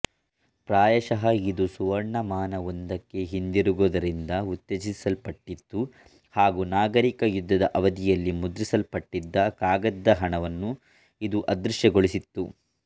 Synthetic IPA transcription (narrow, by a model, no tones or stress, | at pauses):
pɾaːjɐʃɐɦɐid̪usuʋɐɾɳːɐmaːnɐond̪ɐkːe̞ɦind̪iɾuɡoːd̪ɐɾind̪ɐut̪ːed͡ʒisɐlpɐʈːit̪ːu | haːɡunaːɡɐɾikɐjud̪ːɐd̪ɐʔɐʋɐd̪ijɐlːimud̪ɾisɐlpɐʈːid̪ːɐkaːɡɐd̪ːɐɦɐɳɐʋɐnːu | id̪uʔɐd̪ɾuʃjɐɡoɭisit̪ːu